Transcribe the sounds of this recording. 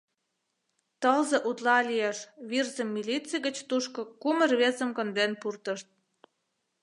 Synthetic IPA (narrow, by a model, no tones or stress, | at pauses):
t̪əlzĕʔut̪lɑlieʃβirzəmːilit͡siɣə̆t͡ɕt̪uʃkŏkumə̆rβezə̆mkə̆nd̪enpurt̪ə̆ʃt̪̚